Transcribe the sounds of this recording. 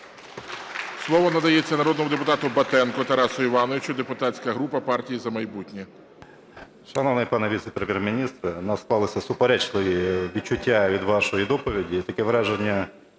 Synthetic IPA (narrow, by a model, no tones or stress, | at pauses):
slˠɔʋɔnɐd̪ɐjet͡sʲːɐnɐɾɔd̪nɔmʊd̪epʊt̪ɑt̪ʊbɐt̪ɛnkʊt̪ɐɾɑsʊiʋɑnɔʋʲit͡ʃʊd̪epʊt̪ɑt͡sʲkɐɦɾupɐpɑrtʲijizɐmɐjbutʲnʲi | ʃɐnɔʋnɪjpɑnɛʋʲit̪sɛ̥pɾemʲjɛɾmʲinʲist̪ɾɪnɐsk̪ɑlˠɪsʲɐsʊpeɾɛt͡ʃlˠɪʋʲiʋʲit͡ʃːʊtʲːaʋʲid̪ʋɑʃɔjid̪ɔpɔʋʲidʲit̪ɐkɛʋɾɛʒenʲːɐ